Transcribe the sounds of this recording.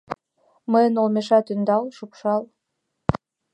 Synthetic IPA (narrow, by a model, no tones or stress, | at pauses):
mɨnolˠmʲeʃɑt̪ynd̪ɑlˠʃupʃɑlˠ